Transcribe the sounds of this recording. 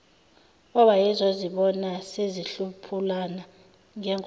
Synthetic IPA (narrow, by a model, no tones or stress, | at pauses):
ɔɓajɛzɔziɓɔnaseziɬupʰulana | ŋɛŋ